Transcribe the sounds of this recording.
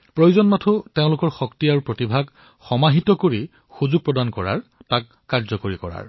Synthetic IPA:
pɹojuzɔnmatʰuteʊ̃lʊkɔɹxɔktiaɹupɹotibʱaɡ | xɔmaɦitɔkoɹi | xuzuɡ̚pɹɔdankɔɹa̰ɹtakːaɹzɔkoɹikɔ̰ɹa̰ɹ

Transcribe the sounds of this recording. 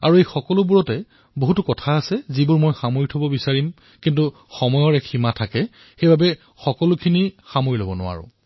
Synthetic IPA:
a̰ɹuejxɔkɔlʊbuɹɔtɛ | boɦutʊkɔtʰaːsɛzibuɹmojxamoɹitʰobɔbisaɹim | kintu | xɔmɔjɔɹɛkʰimatʰakɛ | xejbʱabɛ | xɔkɔlʊkʰinixamoɹilobɔnʊ̰wa̰ɹʊ̰

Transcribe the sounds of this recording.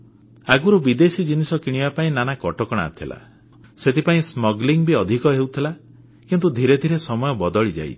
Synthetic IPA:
aɡuɾubid̪esid͡ʒinisɔkiɽ̃ibapaĩnanakɔʈɔkɔɽ̃a̰t̪ʰila̰ | set̪ʰipaĩsmɔɡliŋbiɔd̪ʱikɔɦewt̪ʰila | kint̪ud̪ʱiɾed̪ʱiɾesɔmɔjɔbɔd̪ɔɭid͡ʒa̰j̰

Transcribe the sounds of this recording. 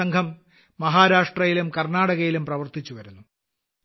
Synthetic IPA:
ɐŋɡʰʱɐmː | ɐɦaːɾaːʂʈrɐjilumkɐrnaːɽɐɣɐjilumprɐʋɐrt̪it͡ɕːuʋɐɾunːu

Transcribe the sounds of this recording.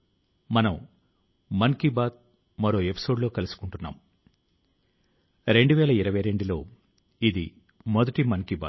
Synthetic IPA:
mɐnɐm | mɐnkibaːd̪̚ | mɐɾo̞ːe̞pi̥so̞ːɖlo̞ːkɐlusu̥kuɳʈunːa̰ːm | ɾe̞ɳɖuʋɛːlɐiɾɐʋɐjɾe̞ɳɖilo̞ː | id̪i | mɔd̪ɐʈimɐnkiba̰

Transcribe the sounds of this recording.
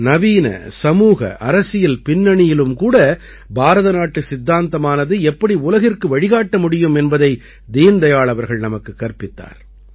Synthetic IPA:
nɐʋiːnɐ̰sɐmuːɣɐ̰ʔɐɾɐsɪjɪlpɪnːɐɳɪjɪlɯmkuːɽɐ | bʱaːɾɐðɐnaːʈːɯsɪd̪ːaːnt̪ɐmaːnɐðɯɛpːɐɽiʊlɐɣɪrkɯʋɐɻɪɣaːʈːɐmʊɽɪjɯmɛnbɐðɐɪ | d̪iːnd̪ɐjaːɭɐʋɐɾɣɐɭnɐmɐkːɯkːɐɾpɪt̪ːa̰ːɾ

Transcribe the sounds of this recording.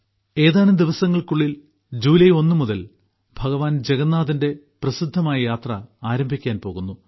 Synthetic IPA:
e̞ːðaːnumd̪iʋɐsɐŋːɐɭkuɭːil | d͡ʑuːlɐjo̞nːɨmuðɐl | bʱɐɣɐʋaːnd͡ʑe̞ɣɐnːaːðinde̞ | prɐsid̪ʱːɐmaːjɐjaːt̪rɐaːɾɐmbʱikʲːaːnpo̞ːɣunːu

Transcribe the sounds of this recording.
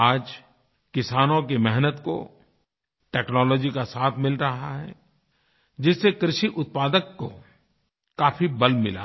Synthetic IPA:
aːd͡ʒ | kɪsaːnõk̬emɛɦnət̪ko̰ | ʈɛːknɔːlɔːd͡ʒikasaːt̪ʰmɪlɾɐɦaɦɛ̰ | d͡ʒɪsːekɾɪʃiʔʊt̪̚paːd̪əkːo̰ | kaːfibɐlmɪla̰ː

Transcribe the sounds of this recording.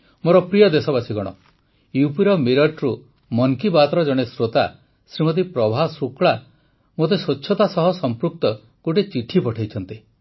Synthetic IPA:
moɾɔpɾijɔd̪esɔbasiɡɔɽ̃ɔ̰ | jupiɾɔmiɾɔʈɾu | mɔŋkibat̪ɾɔd͡ʒɔɽ̃esɾot̪a | sɾimɔt̪̬ipɾɔbʱasukɭa | mot̪esoːt͡ʃʰːɔt̪asɔɦɔsɔmpɾuk̚t̪ɔ | ɡ̥oʈet͡ʃiʈʰipɔʈʰajt͡ʃʰɔnt̪i

